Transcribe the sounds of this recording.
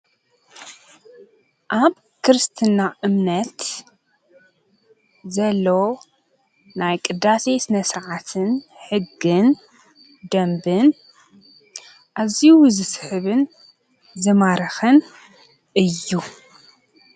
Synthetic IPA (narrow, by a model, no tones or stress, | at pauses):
ʔaβ | kʰɨɾɨst̪ʰɨnaʔɨmnɐt̪ | zɐlːo̞ | najkʼɨd̪ːase̞sɨnɐsɾʕat̪ʰɨnħɨɡːɨn | d̪ɐmbɨn | ʔaziwzɨsħɨβɨn | zɨmaɾɐxɐn | ʔɨjːu